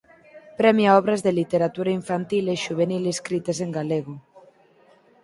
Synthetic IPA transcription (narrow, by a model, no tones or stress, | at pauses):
pɾɛmjaɔβ̞ɾazðelit̪eɾat̪uɾaiɱfant̪ilesʃuβ̞enileskɾit̪es̬eŋɡaleɣo